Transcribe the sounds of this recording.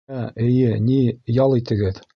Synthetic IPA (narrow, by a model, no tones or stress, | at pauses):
æɘ̆jɘnijɒlˠit̪ɘ̆ɡɘð